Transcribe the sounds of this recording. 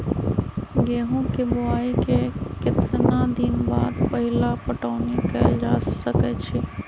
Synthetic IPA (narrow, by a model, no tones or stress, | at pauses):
ɡeːɦõkebʊaːikekɪt̪nad̪ɪnbaːd̪pɐɦɪlapəʈaːʊnekəd͡ʒaːsəkɛt͡ʃʰeː